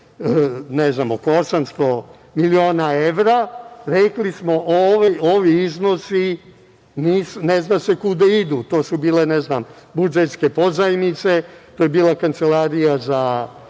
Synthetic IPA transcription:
neznamokosamst̪o | milioːnaeʋɾaɾeklismo̞ʔoʋeoʋiiznosi | niːsuneznase̞kud̪aid̪ut̪o̞ːsubiːleneznambud͡ʒet̪skepozajimnit̪set̪oːjebiːlˠakant̪selaːɾijaza

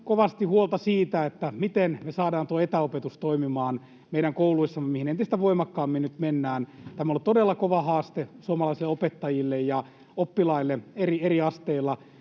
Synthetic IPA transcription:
koʋɑst̪ihuolt̪ɑsiːt̪æet̪ːæmit̪enmesɑːdɑːnt̪uoet̪æopet̪ust̪oimimɑːn | meiɾæŋkouluisːɑmːemihinent̪ist̪æʋoimɑkːɑːmːinnyt̪menːæːnt̪æmæolt̪odelːɑkoʋɑhɑːst̪esuomɑlɑisilːˑeopet̪ːɑjilːejjɑ | opːilɑilːeerieriɑst̪eilːɑ

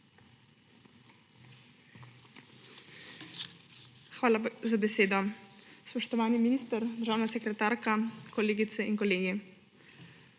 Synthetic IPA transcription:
xʋaːlazabɛseːd̪ɔspɔʃt̪ɔʋaːniminiːst̪əɾd̪əɾʒaːwnasɛkɾɛt̪aːɾkakɔleːɡit̪sɛiŋkɔleːɡi

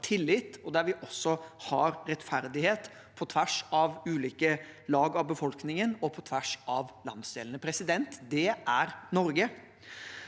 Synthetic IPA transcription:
t̪ʰɪlːɪt̪ɔd̪æɾʋɪʔɔsːɔhɑɾɾɛt̪fæɾd̪ɪheːt̪ | pʰɔt̪ʰʋæʂɑʋʉːliːkəlɑːɡɑʋbəfɔlknɪŋənɔpʰɔt̪ʰʋæʂɑʋlɑ̰nd̪sd̪ḛːlənəpʰɾɛsɪd̪ɛnt̪d̪ɛʔæɾnɔɾɡə

